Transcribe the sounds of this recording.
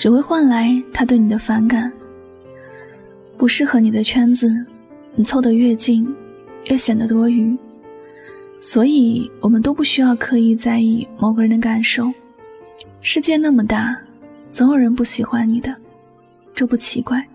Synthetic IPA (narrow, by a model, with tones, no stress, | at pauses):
ʈ͡ʂɻ̩˨˩xwe˥˧ɪxwa˥˩nla˧˥ɪt̪ʰa˥t̪we˥˩ni˨˩d̪ə˦fa˧˥nka˨˩˦n | pu˧˥ʂɻ̩˥˩xɤ˧˥ni˨˩d̪ə˦t͡ɕʰɥɛ˥nd͡zɹ̩˧ | ni˨˩t͡sʰo˥˩ʊd̪ə˧˦ɥɛ˥˧t͡ɕi˥˩ŋ | ɥɛ˥˩ɕjɛ˨˩nd̪ə˦t̪wɔ˥y˧˥ | swɔ˧˥i˨˩wɔ˨˩mə˦nt̪o˥ʊpu˥˩ɕy˥jɑ˥˧ʊkʰɤ˧˥i˨˩t͡sa˥˧ɪi˥˩mo˨˩ʊɡə˧˥ɻə˧˥nə˧ka˨˩nʂo˥˩ʊ | ʂɻ̩˥˧t͡ɕjɛ˥˧na˥˩mə˩t̪a˥˩t͡so˧˥jo˨˩ʊɻə˧˥npu˥˩ɕi˨˧˥xwa˧˥nni˨˩d̪ə˦ | ʈ͡ʂɤ˥˧pu˥˩t͡ɕʰi˧˥kwa˥˩ɪ